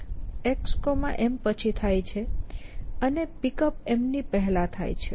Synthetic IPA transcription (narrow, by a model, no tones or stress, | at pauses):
ekskomãʔempət͡ʃʰit̪ʰajt͡ʃʰe | ənepikəpemnipəɦlãt̪ʰa̰jt͡ʃʰe